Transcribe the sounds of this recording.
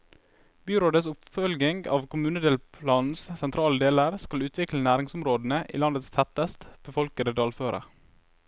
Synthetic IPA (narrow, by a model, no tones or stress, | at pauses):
byːɾoːd̪əsʊpfœlɡɪŋɡɑ̰ːʋkʰʊmʉːnəd̪eːlpʰlɑːnn̩ssɛnt̪ʰɾɑːləd̪eːləɾskɑlʉːt̪ʰʋɪklənæːɾɪŋsʊmɾoːd̪n̩əʔḭːlɑnd̪ət̪st̪ʰɛt̪əst̪b̥əfɔlkəd̪əd̪ɑːlføːɾʔə̰